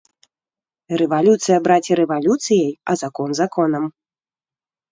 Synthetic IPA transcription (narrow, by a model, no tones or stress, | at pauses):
rɛvalʲut̪sɨjɐbɾat͡sʲiɾɛvalʲut̪sɨjɐjɐzakɔnzakɔnɐm